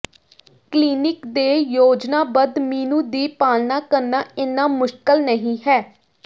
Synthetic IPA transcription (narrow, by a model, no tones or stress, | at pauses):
kliːnɪkd̪eːjoːd͡ʒnaːbəd̪miːnũːd̪iːpaːlnaːkəɾnaːɪnaːmʊʃkəlnəɦĩːɦɛː